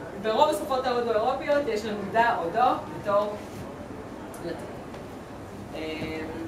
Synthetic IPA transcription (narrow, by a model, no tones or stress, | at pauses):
beʁovesufotavodaeʁopijotjeʃlamudaodobetoʁ | lat̪e | em